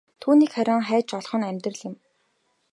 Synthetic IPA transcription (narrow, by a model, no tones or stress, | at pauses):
t̪ʰuːniːkχæɾʲaːŋχæːt͡ɕɔɮχɞ̆næmʲt̪rə̆ɮɪ̆m